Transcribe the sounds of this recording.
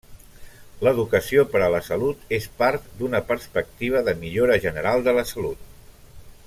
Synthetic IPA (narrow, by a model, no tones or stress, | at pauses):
ləðukəsiopəɾələsəlut̪espaɾt̪d̪unəpəɾspək̚t̪iβ̞əðəmiʎoɾəʒənəɾalˠd̪ələsəlut̪̚